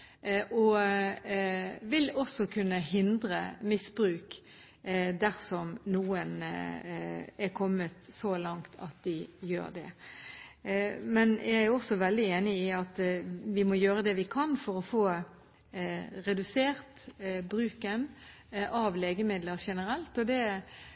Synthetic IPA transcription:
ʔɔ | ʋɪlɔsɔkʰʉnːəhɪnd̪ɾəmɪsbɾʉːk | d̪æɾsɔmnuːən | ɛkʰɔmːət̪sɔlɑŋt̪ʰɑ̰t̪̚d̪ɪjø̰ːɾd̪ɛ̰ | mɛnjʔææɔsɔʋɛld̪ɪeːnɪɪɑt̪ʋɪmɔjøːɾəd̪ɛʋɪkʰɑnfɔɾɔfoː | ɾɛd̪ʉseːɾt̪bɾʉːkən | ʔɑʋleːɡəmɪd̪ləɾʃɛnəɾɛlt̪ɔd̪ɛ

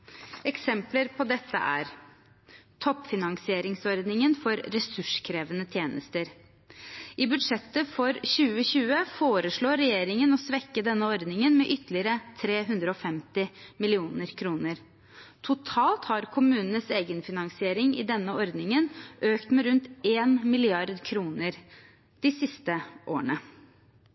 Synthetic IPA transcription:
ɛksɛmpləɾpʰɔd̪ɛt̪ːə̰ʔæ̰ɾ | t̪ʰɔpːfɪnɑŋsɪeːɾɪŋsɔɾd̪nɪŋənfɔɾːɛsʉʂkʰɾeːʋənət̪ʰjeːnəst̪əɾ | ɪbʉd̪ʂɛt̪ːəfɔɾɕʉːəɕʉːəfoːɾəʂɭoːɾɛjeːɾɪŋənɔsʋɛkːəd̪ɛnːəɔɾd̪nɪŋənmɛʔʏt̪ːəlɪəɾət̪ʰɾeːɦʉnd̪ɾəɔfɛmt̪ɪmɪlɪuːnəɾkʰɾuːnəɾ | t̪ʰʊt̪ʰɑːlt̪hɑɾkʰʊmʉːnən̩əseːɡənfɪnɑŋsɪeːɾɪŋɪ̰d̪ɛnːəɔɾd̪nɪŋənʔøːkt̪mɛɾʉnt̪eːnmɪlɪɑɾd̪kʰɾuːnəɾ | d̪̥ɪsɪst̪əʔo̰ːɳə

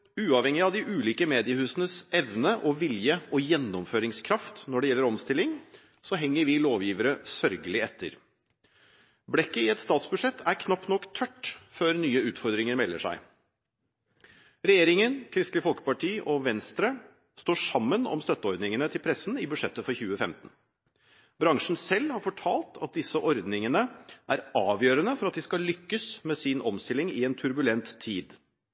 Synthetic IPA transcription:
ʉːɑʋhɛŋːɪɑʋd̪ɪʔʉːliːkəmeːd̪ɪəhʉːsənəsɛʋnəʔɔʋɪljəɔjɛnːɔmføːɾɪŋskʰɾɑft̪nɔɖɛjɛlːəɾɔmst̪ɪlːɪŋ | sɔɦɛŋːəɾʋɪloːʋjiːʋəɾəsœɾɡəlɪɛt̪ʰːə̰ɾ | blɛkːəɪɛt̪st̪ɑːt̪sbʉʂɛt̪ʰːæɾkʰnɑpt̪nɔkːt̪ʰœʈːføːɾnyːəʉːt̪fɔɾd̪ɾɪŋəɾmɛlːə̰ʂæ̰ɪ | ɾɛjeːɾɪŋənkʰɾɪst̪lɪfɔlkə̥pɑʈʰiːʔɔʋɛnst̪ɾə | st̪oːʂɑmːənɔ̰mst̪œt̪ːəɔɾd̪nɪŋənət̪ʰɪlpʰɾɛsn̩ɪbʉʂɛt̪ːəfɔɾçʉːəfɛmt̪ən̩ | bɾɑŋʂɳn̩sɛlːhɑɾfɔʈʰɑːlt̪ʰɑ̰t̪̚d̪ɪsəʔɔɾd̪nɪŋənəʔæɾɑːʋjøːɾənəfɔɾɑt̪̚d̪iskɑlʏkːəsmeːsɪnɔmst̪ɪlːɪŋɪɛːnt̪ʰʉɾbʉlɛnt̪ʰːiːd̪

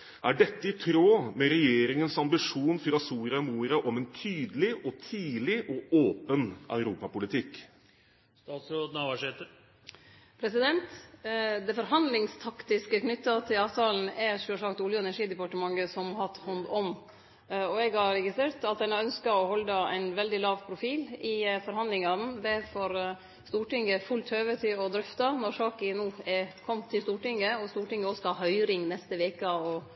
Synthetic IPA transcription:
ʔæɖɛt̪ːəɪt̪ʰɾoːmɛɾɛjeːɾɪŋənsɑmbɪʂuːnfɾɑsuːɾɑmuːɾɑʔɔmɛnt̪ʰyːd̪əlɪʔɔt̪ʰiːlɪʔɔoːpənʔœ̰ʉɾuːpɑpʊlɪt̪ʰɪkː | st̪ɑːt̪sɾod̪nɑʋɑʂet̪ə | pʰɾɛsɪd̪ɛnt̪d̪ɛfɔɾɦɑnd̪lɪŋst̪ʰɑkt̪ɪskəknʏt̪ːɑt̪ʰɪlɑːʋt̪ʰɑːln̩ɛʂoʂɑkt̪uːljʊɛnæʂiːd̪ɛpɑʈəmɑŋɡəsɔmhɑt̪hɔnd̪ɔm | ɔɛɡhɑɾɾɛɡɪst̪ɾeːɾt̪ɑt̪̚d̪ɛnɑœnskɑɔhɔld̪ɑæ̰ɪnʋɛld̪ɪlɑːʋpʰɾʊfiːlɪfɔɾhɑnd̪lɪŋɑn̩d̪ɛfɔɾ | st̪uːʈɪŋːəfʉlt̪høːʋət̪ʰɪɔd̪ɾʏft̪ɑnɔɾʂɑːkənuːɛkʰɔmːt̪ʰːɪlst̪uːʈɪŋːəɔst̪uːʈɪŋəɔskɑɦœʏɾɪŋnɛst̪əʋeːkəɔ

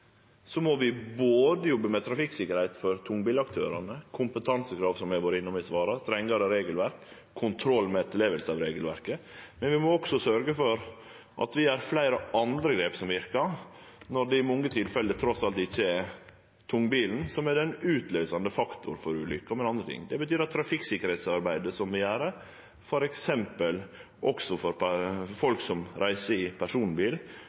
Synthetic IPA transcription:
sɔmɔʋɪboːd̪əjɔbːəmɛt̪ʰɾɑfɪksɪkːəɾhæɪt̪fɔɾt̪ʰʊŋːbiːlɑkt̪ʰøːɾɑnəkʰʊmpət̪ʰɑnsəkʰɾɑːʋsɔmjɛʋoːɾɪnːʊmɪsʋɑːɾɑst̪ɾɛŋːɑɾəɾeːɡəlʋæɾkʰː | ʊnt̪ʰɾɔlːmɛɛt̪ʰːəleːʋəlsəɑːʋɾeːɡəlʋæ̰ɾkəmɛnʋɪmɔɔɡsɔsœɾɡəfɔɾ | ʔɑ̰t̪ʋɪæɾflæɪɾəʔɑnd̪ɾəɡɾeːpsɔmʋɪɾkɑ | nɔɖ̪ɛɪmɔŋːət̪ʰɪlfɛlət̪ʰɾɔsɑlt̪ɪçːəɛ | t̪ʰʊŋːbiːln̩sɔmæɾɛnʉːt̪løːsɑnd̪əfɑkt̪ʊ̰ɾfɔɾʉːlʏ̰kːəɔmɛnɑnd̪ɾət̪ʰɪ̰ŋːd̪ɛbət̪ʰyːɾɑt̪ʰːɾɑfɪksɪkːəɾhɛɪt̪sɑɾbæɪd̪əsɔmʋɪæːɾə | fɔɾɛksɛmpəl | ʔɔksɔfɔɾfɔlksɔmɾʔæɪsəɪpʰæʂuːnbiːl

